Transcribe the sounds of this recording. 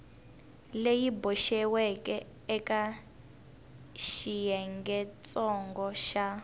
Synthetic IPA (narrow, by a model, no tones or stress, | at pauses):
lejibɔʃɛwɛkɛ | ɛka | ʃijɛŋɡɛt͡sʼɔŋɡɔʃa